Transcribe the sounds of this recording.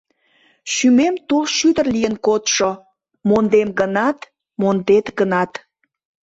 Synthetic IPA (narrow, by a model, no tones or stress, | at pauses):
ʃymemt̪olʃyd̪ərlijənkot̪ʃo | mond̪emɡənɑt̪ | mond̪et̪ɡənɑt̪